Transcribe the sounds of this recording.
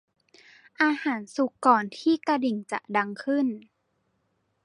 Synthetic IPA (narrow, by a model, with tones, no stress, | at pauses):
ʔaː˧haː˩˦nsu˧˦kːɔː˨˩nt̪ʰiː˧˥˩ka˧di˨˩ŋt͡ɕa̰˨˧˩da˧ŋkʰɯ˧˥˩n